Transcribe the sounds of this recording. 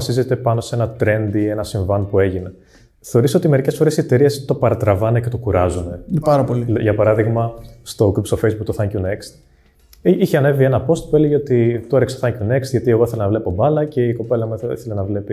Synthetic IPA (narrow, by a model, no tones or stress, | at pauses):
ɐsize̞t̪e̞pɐno̞se̞nɐt̪ɾe̞nd̪ie̞nɐsiɱvɐnpue̞ʝine̞ | θe̞o̞ɾiso̞t̪ime̞ɾice̞sfo̞ɾesie̞t̪eɾiest̪o̞pɐɾɐt̪ɾɐvɐnece̞t̪o̞kuɾɐzune̞pɐɾɐpoliʝɐpɐɾɐðiɣmɐst̪o̞kɾupsofejzbuk̚t̪oθɐɲcunekst̪ | içeɐne̞vienɐpo̞st̪̚pueleʝeot̪it̪oɾekst̪oθɐɲcune̞kst̪ʝɐt̪ie̞ɣo̞iθelenɐvle̞po̞bɐlɐce̞iko̞pe̞lɐmiθelenɐvle̞pi